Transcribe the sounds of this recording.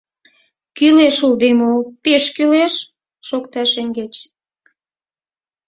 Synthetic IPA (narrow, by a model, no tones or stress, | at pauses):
kyleʃuld̪emopeʃkyleʃ | ʃokt̪ɑʃeŋɡet͡ɕ